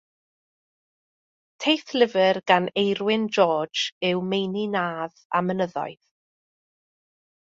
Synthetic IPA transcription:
tʰejθlɪvərɡ̥anejrwɪnd͡ʒɔ̥ːd͡ʒɪwmejninaːða̰mənəðɔ̰ɨð

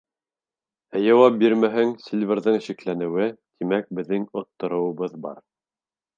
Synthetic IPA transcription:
æjɑwɑp̚biɾmæɦɘŋsʲilʲvʲɘɾðɤɴɘ̆ʃiklænɘ̆wɘt̪ʰimæk̚bɘ̆ðːɘŋŏt̪ːŏɾŏwɤ̆βɤðbɑ̰ɾ

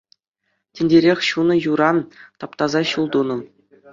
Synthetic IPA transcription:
tʲĕnʲdʲeɾʲexʲɕunɤ̆juɾɑnt̪ɑpt̪ɑzɑɕulˠd̪unɤ̆m

